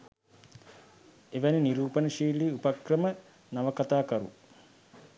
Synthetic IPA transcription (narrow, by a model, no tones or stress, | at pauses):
eʋæniniɾuːpənəʃiːliupakrəmə | naʋəkat̪aːkɐɾṵ